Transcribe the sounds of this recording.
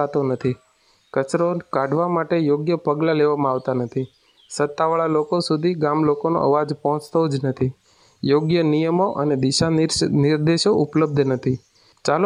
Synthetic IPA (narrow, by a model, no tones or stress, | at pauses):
at̪onət̪ʰi | kət͡ʃɾokaɖʱʋamaʈejoɡjəpəɡlaleʋamãaʋt̪anət̪ʰi | sət̪ːaʋəɭalokosud̪ʱiɡamlokono̰ʔə̰ʋad͡ʒpɔɦɔ̃t͡ʃt̪od͡ʒnət̪ʰi | joɡjənijəmoʔəned̪iʃanɪɾd̪eʃoʔupləb̚d̪ʱnət̪ʰi | t͡ʃal